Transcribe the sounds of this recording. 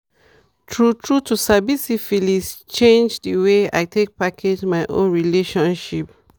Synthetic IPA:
tʰɹutʰɹutusabisifilist͡ʃẽnd͡ʒdəwea̰ɪtʰek̚pakʰed͡ʒmaɪʔõ̰nɹileʃɔ̃nʃip

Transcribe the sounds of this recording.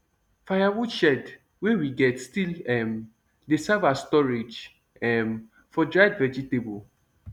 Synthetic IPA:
fajawudʃɛd | wewiɡɛtstilɛm | desɛvastɔɹed͡ʒ | ɛm | fɔdɹaɪdvɛd͡ʒitebol

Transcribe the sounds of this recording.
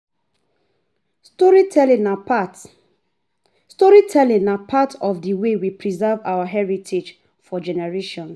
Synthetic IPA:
stɔɹitʰɛlĩnapat | stɔɹitʰɛlĩŋapʰatʰɔfdəwewipʰɹizɛvawaɦɛɹitʰed͡ʒ | fɔd͡ʒɛnɛɹeʃɔ̃ns

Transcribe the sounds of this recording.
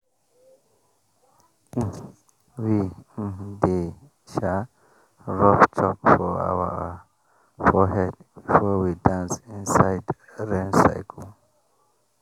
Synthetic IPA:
wi | de | ʃa | ɹɔptʰɔpfɔa̰wə̰ | fɔɦɛdb̥ifɔwidãnsĩnsaɪd | ɹẽnsa̰ɪkʰl

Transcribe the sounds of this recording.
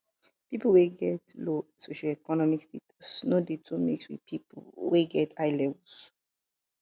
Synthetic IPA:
pipoweɡɛtlosoʃoɛkɔnɔmikstetsnodetʰumḭkswḭð̥pʰipweɡɛtʰaɪlɛvls

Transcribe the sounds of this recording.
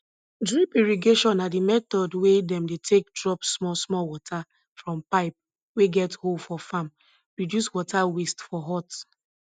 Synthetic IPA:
dɹipiɹiɡeʃɔ̃nadimɛt̪ɔdwedɛ̃mdetʰek̚dɹɔpsmɔsmɔlwɔtʰa | fɹɔ̃mpaɪp̚ | weɡɛthodfɔfãm | pɹɔdjuswɔtʰawestfɔɦɔt

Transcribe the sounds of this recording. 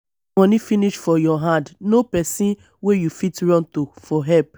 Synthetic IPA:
ɔnifiniʃfɔjɔɦãndnopɛsĩn | wejufitɹɔ̃ntofɔɦɛp

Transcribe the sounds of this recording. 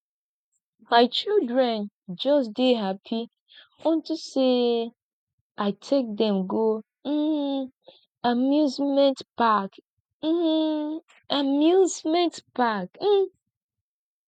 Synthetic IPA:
maɪt͡ʃildɹɛ̃n | d͡ʒʌsdeɦapʰi | õntuse | aɪtʰek̚dɛ̃mɡo | m̩ | amjuzmɛ̃ntpak | m̩ | amjuzmɛ̃ntpakm̩

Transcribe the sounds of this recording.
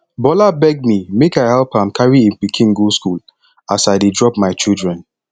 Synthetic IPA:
bɔlabɛɡ̚mimekaɪhɛlpãmkʰaɹiĩnpikʰĩnɡuskul | asaɪdedɹɔpmaɪt͡ʃilˠdɹɛ̃n

